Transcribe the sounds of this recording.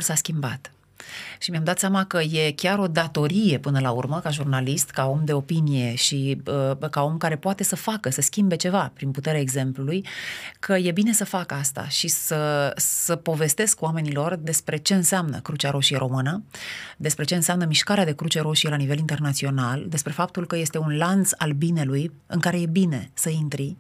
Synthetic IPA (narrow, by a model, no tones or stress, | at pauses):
saskʲimba̰t̪ | ʃimamd̪at̪sjamakəje̞kʲaɾo̞d̪at̪o̞ɾije̞pɨnəlaurməkaʒurnalist̪kao̞md̪e̞o̞pinije̞ʃiəkao̞mkaɾe̞poat̪e̞səfakəsəskʲimbe̞t͡ʃe̞vapɾinput̪e̞ɾeaeɡze̞mplulujkʰəje̞bine̞səfakəast̪a̰ʃisəsəpo̞ve̞st̪e̞skwame̞nilo̞rd̪e̞spɾe̞t͡ʃe̞ɨnseamnə̰kɾut͡ʃaɾʔo̞ʃijeɾʔo̞mɨnəd̪e̞spɾe̞t͡ʃeɨnseamnəmiʃkaɾead̪e̞kɾut͡ʃe̞ɾo̞ʃijelanive̞lint̪e̞rnat̪sio̞nald̪e̞spɾe̞fap̚t̪ulkəje̞st̪e̞unlant̪salbineluj | ɨŋkaɾe̞je̞bine̞səint̪ɾi